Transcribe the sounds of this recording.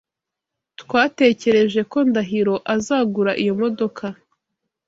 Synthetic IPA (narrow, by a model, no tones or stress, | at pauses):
tkwaːte̞ːce̞ɾe̞ʒe̞ko̞ndaɦiɾo̞ʔazaːɡuɾaʔijo̞mo̞do̞kʰa